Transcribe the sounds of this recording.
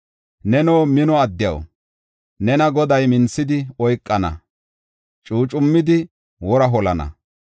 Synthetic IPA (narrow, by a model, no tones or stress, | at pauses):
nɛnoːmɪnɔɐd̪ːɪjɐ̰w | nɛnɐɡɔd̪ɐjmɪnsːɪd̪ɪɔjkʼːɐnɐ̰ | t͡ʃʼuːt͡ʃʼʊmːɪd̪ɪ | wɔɾɐɦɔlɐnɐ̰